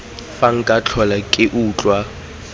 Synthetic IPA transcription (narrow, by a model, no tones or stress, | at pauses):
faŋ̩kʼat͡ɬʰɔlakʼɪʔuːt͡ɬʼwa